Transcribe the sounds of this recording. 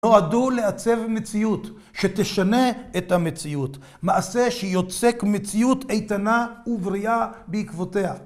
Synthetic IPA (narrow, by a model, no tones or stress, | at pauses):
o̞adule̞at͡se̞vmet͡sijut̪ | ʃet̪eʃane̞ethamet͡siut | maʔase̞ʃejo̞t͡sekmet͡sijutejtanauvʁiabeikvote̞ha